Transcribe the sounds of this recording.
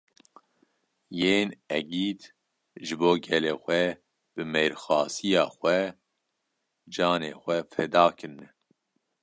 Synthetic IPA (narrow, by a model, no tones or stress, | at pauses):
jeːnɛɡiːt̪ | ʒɨboːɡɛleːxʷɛ | b̥ɨmeːɾxɑːsijɑːxʷɛ | d͡ʒɑːnḛːxʷɛfɛd̪ɑːkʰɨɾnɛ